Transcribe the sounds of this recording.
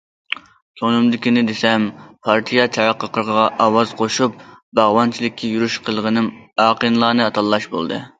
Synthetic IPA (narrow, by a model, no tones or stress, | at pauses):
sonɨmd̪ɪkʲinɪd̪esɛmpʰɑɾt̪ʰijɑt͡ʃʰɑɾɑqːəqəɾʁəʁɑʔɑːwɑz̥qʰoʃup̚bɑʁwɑnt͡ʃʰilˠɪkʲʰːɛjuɾyʃqʰəlˠʁənɨmɑːqʰənɨlˠɑːnɨɑt̪ʰɑlˠːɑʃbo̰lˠd̪ɨ̰